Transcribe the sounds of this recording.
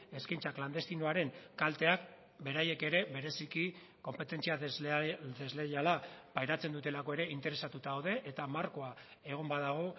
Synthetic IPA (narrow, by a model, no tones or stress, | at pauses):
e̞skaijnt͡sakland̪e̞st̪inoaɾe̞nkalt̪e̞ak | be̞ɾaje̞ke̞ɾe̞βe̞ɾe̞siki | ko̞mpe̞t̪e̞nt͡sia | d̪ezle̞jalapajɾat͡se̞nd̪ut̪e̞lako̞e̞ɾe̞int̪e̞ɾe̞sat̪ut̪aːwðe̞ʔet̪amaɾko̞ae̞ɣ̞o̞mbaðaɣ̞o̞